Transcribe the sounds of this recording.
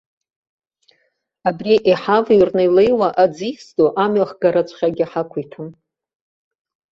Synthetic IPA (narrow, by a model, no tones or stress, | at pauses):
abriʔiħavirnajlejwaʔad͡zisdʼoʔamɥaχɡaɾat͡ɕʷʰʼχʲaɡʲiħakʷʰitʰum